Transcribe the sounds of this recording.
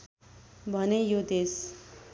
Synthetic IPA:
bʱʌnejod̪es

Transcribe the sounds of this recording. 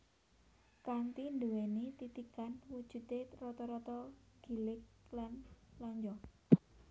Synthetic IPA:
kant̪induwɛnit̪it̪ikanwud̥ʒ̥ṳt̪erɔt̪ɔɾɔt̪ɔɡ̥i̤lɪk̚lanlɔɲd͡ʒɔ

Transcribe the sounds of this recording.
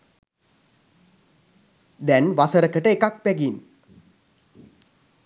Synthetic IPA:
d̪ɛnʋasəɾəkəʈəekak̚pæɡin

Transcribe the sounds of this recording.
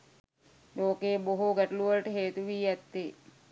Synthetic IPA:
loːkeːboɦuɡæʈuluʋələʈəɦeːt̪uʋiːæt̪ːe

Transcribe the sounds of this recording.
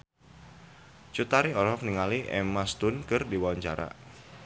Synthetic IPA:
t͡ʃut̪aɾiɔɾɔkniŋaliʔɛ̰mast̪ʊnkɨrdiwawaɲt͡ʃaɾa̰

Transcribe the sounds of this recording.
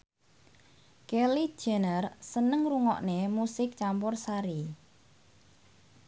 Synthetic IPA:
kɛli̥ʒ̥ɛ̤nərsənəŋruŋɔ̰ʔnemusɪk̚t͡ʃampɔrsaɾi

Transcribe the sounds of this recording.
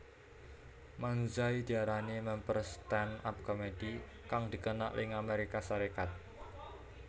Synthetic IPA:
mand͡ʒaid̪̥iaɾanimɛmpərst̪ɛna̰p̚komed̥i | kaŋd̪̥i̤kəna̰ʔlɪ̰ŋameɾikasaɾekat̪̚

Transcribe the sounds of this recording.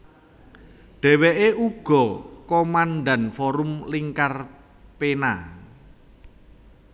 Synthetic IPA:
ɖ̥ɛ̤weʔeʔuɡ̥ɔ̤komanɖanfɔɾʊmliŋkar | pena

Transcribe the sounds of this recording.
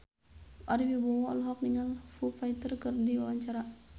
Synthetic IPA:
ʔaɾibibɔwɔɔ̰lɦɔk̚dəŋanfufajt̪ərkərdiwawaɲt͡ʃaɾa

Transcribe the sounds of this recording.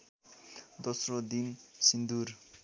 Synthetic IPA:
d̪osrod̪insind̪ur

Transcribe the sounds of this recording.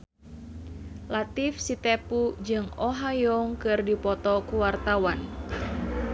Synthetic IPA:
lat̪ɪfsit̪epud͡ʒɨŋɔɦajɔŋkɨrdipɔt̪ɔkuwart̪awan

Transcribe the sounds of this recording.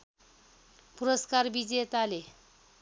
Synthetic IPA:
puɾəskaɾbid͡ʑet̪ale

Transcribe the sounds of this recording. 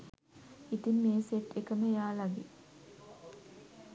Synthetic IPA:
it̪imːeːseʈːekəməjaːlɐɡi

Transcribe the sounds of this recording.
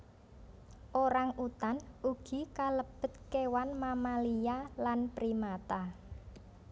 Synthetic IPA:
ʔoɾaŋut̪anuɡ̥i̤kaləb̥ə̤t̪̚kewanmamalijalanpɾimat̪a

